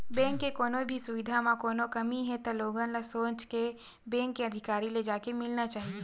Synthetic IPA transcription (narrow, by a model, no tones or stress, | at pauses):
bɛ̃ːŋkːekoːnõbʱisʊʋɪd̪ʱamãkoːnokɐmiɦɛt̪oloːɡãlasoːt͡ʃke | bɛ̃ːŋkːeɐd̪ʱɪkaːɾiled͡ʒaːkemɪlnat͡ʃaːɦie